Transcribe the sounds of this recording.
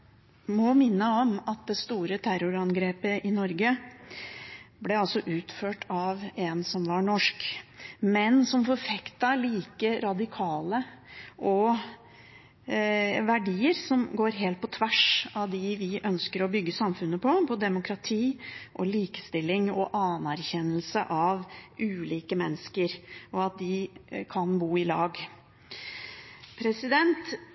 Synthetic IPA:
mɔmɪnːəɔmɑt̪̚d̪ɛst̪uːɾət̪ʰæɾʊɾɑnɡɾeːpəʔɪnɔɾɡə | blɛɑlsɔʔʉːt̪føːʈʰɑʋɛnsɔmʋɑɳɔʂkmɛnsɔmfɔɾfɛkt̪ɑliːkəɾɑd̪ɪkʰɑːləʔɔ | ʋæɖiːəɾsɔmɡoːɾɦeːlt̪̚pʰɔt̪ʰʋæʂɑʋd̪ɪʋɪʔœnskəɾɔbʏɡːəsɑmfʉnːəpʰɔpʰɔd̪ɛmʊkɾɑt̪ʰiːʔɔliːkə̥st̪ɪlːɪŋɔʔɑnæɾçɛnːəlsəʔɑʋʔʉːliːkəmɛnːəskəɾɔɑt̪̚d̪ɪkʰɑnbuːɪlɑːɡ | pʰɾɛsɪd̪ɛnt̪

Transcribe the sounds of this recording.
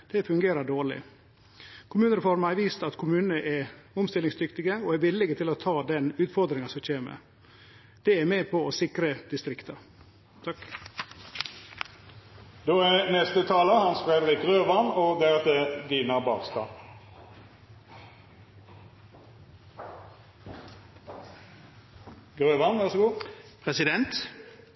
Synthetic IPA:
d̪̥ɛfʉŋɡeːɾəɖoːɭɪ̰ | kʰʊmʉːnəɾəfɔɾmæɪʋiːst̪ɑt̪kʰʊmʉːnnəʔɛʊmst̪ɪlɪŋsd̪ʏkt̪ɪɡəoːɛʋɪlːɪɡət̪ʰɪloːt̪ʰɑːd̪ɛnʉːt̪fɔɾd̪ɾɪŋɑsɔc͡çeːmə̰ | d̪̥ɛæɾmeːpʰɔɔsɪkɾəd̪̥ɪst̪ɾɪkt̪ʰəɾ | ɑ | d̪oːænɛst̪ət̪ʰɑːləhɑnsfʁeːd̪ʁɪkʁøːʋɑnɔd̪ɛɛt̪ɛd̪iːnɑbɑ̰ːʁst̪ɑ̰ː | ɡʁøːʋɑnʋæʁsɔɡuːpʰɾɛsɪd̪ɛnt̪

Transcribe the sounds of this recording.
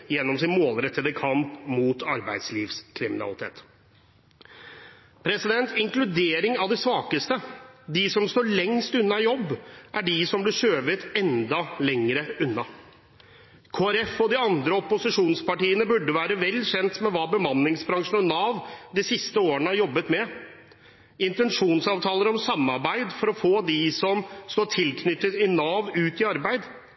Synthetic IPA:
jɛnːɔmsɪnmoːlɾɛt̪ʰːəd̪əkʰɑmpmuːt̪ʰɑɾbæɪd̪sliːʋskʰɾɪmɪnɑ̰lɪt̪ʰḛːt̪ | pʰɾɛsɪd̪ɛnt̪ɪŋklʉd̪eːɾɪŋɑʋd̪ɛsʋɑːkəst̪əd̪ɪsɔmst̪oːɭɛŋst̪ʉnːɑjɔbːʔæɖɪsɔmblɪʂøːʋət̪ɛnd̪ɑlɛŋɾəʉnːɑ | kʰoːæɾɛfɔd̪ɪɑnd̪ɾəɔpʊsɪʂuːnspɑʈiːənəbʉɖːəʋæːɾəʋɛlːçɛnt̪mɛʋɑːbəmɑnːɪŋsbɾɑŋʂən̩ɔnɑːʋd̪ɪsɪst̪əoːəɳəhɑɾjɔbːət̪mɛ | ɪnt̪ɛnʂuːnsɑːʋt̪ʰɑːləɾɔmsɑmːɑɾbæɪd̪fɔɾɔfoːd̪ɪsɔmst̪oːʈʰɪlkʰnʏt̪ːət̪ɪnɑːʋʉːt̪ɪɑɾbæɪd̪

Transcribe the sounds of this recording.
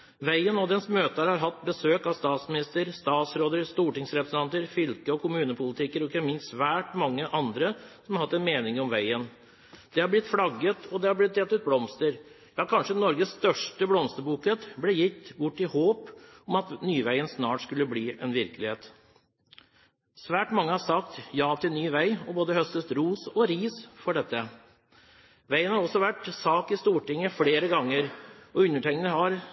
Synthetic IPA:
ʋæɪənɔd̪ɛnsmøːt̪əhæɾhɑɾɦɑt̪ːbəsøːkɑʋst̪ɑːt̪smɪnɪst̪əɾst̪ɑːt̪sɾoːd̪əɾst̪uːʈɪŋsɾɛpɾəsən̩ɑnt̪əɾfʏlkəɔkʰʊmʉːnəpʰʊlɪt̪ʰɪkːəɾɔɪçənmɪnsʋæːʈmɑŋːəʔɑnd̪ɾəsɔmɑɾhɑt̪ːɛnmeːnɪŋɔmʋæɪən | d̪̥ɛhɑɾblɪt̪fɽɑɡːət̪ʰɔd̪ɛhɑɾblɪt̪̚ːeːt̪ʉːt̪̚blɔmst̪əɾ | jɑːkʰɑnʂənɔɾɡəsst̪œʂʈəblɔmst̪əbuːkət̪blɛjɪt̪ːbʊʈːɪhoːp | ɔmɑt̪nyːʋæɪənsnɑːʈskʉlːəbliːʔɛnʋɪɾkəlɪheːt̪ | sʋæːʈmɑŋːəhɑɾsɑkt̪jɑːt̪ʰɪlnyːʋæɪɔboːd̪əhœst̪əst̪ɾuːsɔɾiːsfɔɖɛt̪ːə | ʋæɪənhɑɾɔsːɔʋæʈsɑːkɪst̪uːʈɪŋːəfleːɾəɡɑŋːəɾɔʉnːəʈʰɛŋːənəhɑɾ

